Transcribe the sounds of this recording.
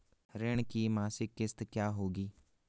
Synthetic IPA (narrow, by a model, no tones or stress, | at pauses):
ɾɪɳ̃kiːmaːsɪkːɪst̪kjaːɦoːɡiː